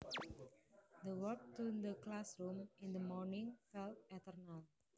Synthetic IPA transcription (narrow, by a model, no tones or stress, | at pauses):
d̪əwɔk̚tud̪əklasɹũmɪ̃nd̪əmɔɹnĩŋfɛltɛt̪əɾnal